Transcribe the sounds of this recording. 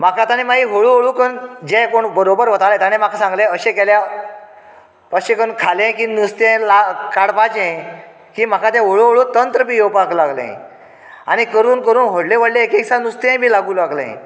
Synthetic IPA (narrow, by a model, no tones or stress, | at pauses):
m̤akʰat̪anemaɡiʋoɭuːʋoɭuːkənd͡ʑekoɳbəɾobəɾʋət̪alãt̪anem̤akasãŋɡlẽəɕẽkelja | əɕẽkəɳkʰalẽkinust̪ẽlakaɽpat͡ɕẽ | kiːm̤akʰat̪ẽʋoɭuɦoɭuːt̪ənt̪ɾəpiːjopaklaɡlḛ̃ḛ̃ | a̰ñikəɾuːnkəɾuːnɦoɽlẽʋəɽleekeksanust̪ẽbʱiːlaɡuːlaɡlḛ̃ḛ̃